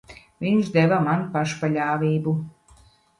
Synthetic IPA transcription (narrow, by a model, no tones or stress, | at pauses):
vʲiɲʃd̪ɛvamanpaʃpaʎʲaːvʲiːbu